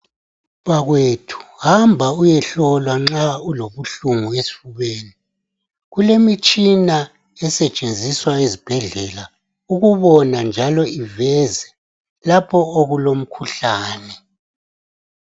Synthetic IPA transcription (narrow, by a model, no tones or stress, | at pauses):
βaɣwetʰu̥hambʱaujɛɬɔlwaŋ͡ǁauloβuɬuŋuesi̥fuβeːni | ɣulemit͡ʃʼina | ɛsɛt͡ʃʼend͡zʱiswaezib̥ʱɛɮɛla | uɣuβɔnand͡ʒʱalɔivɛzɛ | lapʰɔoɣulom̩kʰuɬaːnɛ